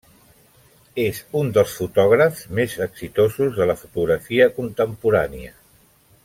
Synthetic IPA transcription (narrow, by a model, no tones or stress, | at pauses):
ezund̪əlˠsfut̪ɔɣɾəfzmezəksit̪ozuzðələfut̪uɣɾəfiəkunt̪əmpuɾaniə